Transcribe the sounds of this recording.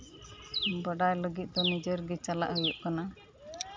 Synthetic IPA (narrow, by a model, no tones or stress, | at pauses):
bəɖajləɡit̪̚ˀd̪ɔnid͡ʒɔɾɡɛt͡ʃala̰ʔɦəjuʔkana